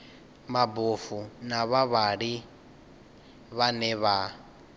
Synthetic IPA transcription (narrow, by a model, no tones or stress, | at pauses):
mabofunaβaβaɺi | βanɛβa